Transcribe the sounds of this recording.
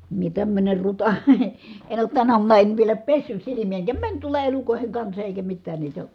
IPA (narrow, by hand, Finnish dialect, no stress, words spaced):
mie tæmːøner rutɑ en oːt tænæ uɑmunɑ en ʋielæ pesːys silimij̆æ eŋkæ mænʲ tuolɑ elukoˑi̯heŋ kɑnsɑ eˑikæ mitːæːn niːtæ